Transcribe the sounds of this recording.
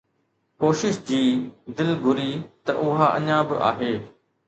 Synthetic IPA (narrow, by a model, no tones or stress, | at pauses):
koːʃɪʃd͡ʑiːd̪ɪlɡʱʊɾit̪ɐʔʊɦaʔɐ̰ɲãbɪ̰ʔa̰ːɦeː